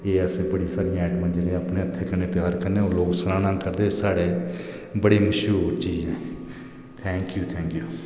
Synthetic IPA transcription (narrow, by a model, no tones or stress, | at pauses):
eːəseːbəɽiːsaːɾijãɛːʈmãd͡ʒelẽaːpneːət̪ʰːeːkəneːt̪ɪjaːɾkəneːõloːksəɾaːnãːkəɾd̪eːsaːɽeː | bəɽiːməʃɾuːɾt͡ʃiːd͡ʒẽː | t̪ʰɛ̃ːŋkjuːt̪ʰɛ̃ːŋkjuː